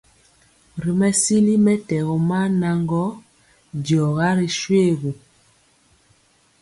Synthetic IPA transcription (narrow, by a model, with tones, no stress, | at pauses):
ɾi˨mɛ˦si˦li˦mɛ˦tɛ˨ɣɔ˨ma˦na˨ŋɡɔ˦ | djɔ˨ɣa˦ɾi˨ʃwe˦˨ɣu˨